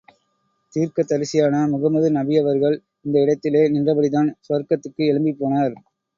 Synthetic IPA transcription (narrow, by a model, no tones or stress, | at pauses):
t̪iːɾkɐt̪ːɐɾɯsɪjaːnɐmʊɣɐmɐðɯnɐbɪjɐʋɐɾɣɐɭ | ɪnd̪ɐɪɽɐt̪ːɪleːnɪndrɐbɐɽɪðaːnsʊɐɾkɐt̪ːɯkːɯɛɭɯmbipːoːnaːɾ